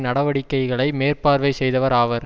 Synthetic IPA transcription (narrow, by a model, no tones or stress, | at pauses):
nɐɽɐʋɐɽɪkːɐɪɣɐɭɐɪmeːɾpaːɾʋɐɪsɛjðɐʋɐɾaːʋɐɾ